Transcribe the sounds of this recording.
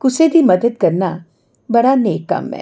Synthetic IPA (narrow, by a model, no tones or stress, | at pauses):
kʊsed̪ʱimɐd̪əd̪kɐɾna | bɐɽaneːkːɐ̰mːɛ̰̃ː